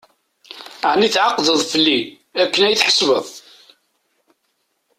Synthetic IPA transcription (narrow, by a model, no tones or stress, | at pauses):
ʕniθʕaqðəðˤfəlːi | ækːənæjθħə̥svəðˤ